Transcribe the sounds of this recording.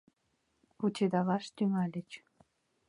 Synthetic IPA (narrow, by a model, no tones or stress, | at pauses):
ut͡ɕʲed̪ɑlɑʃt̪yŋɑlʲɘ̆t͡ɕ